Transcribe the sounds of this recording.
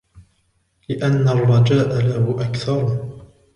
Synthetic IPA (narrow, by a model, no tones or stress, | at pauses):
lɪʔanːarˤːɑd͡ʒaːʔalahʊʔakθɑɾˤ